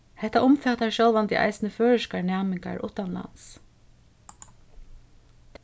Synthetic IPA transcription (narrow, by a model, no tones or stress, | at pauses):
hɛht̪aʔʊmfɛːt̪aɹʃjɔlʋant̪ɪʔa̰jsɪnəføːɹɪʃkaɹnæːmɪŋka̰ɹʔʊ̰ht̪anla̰ns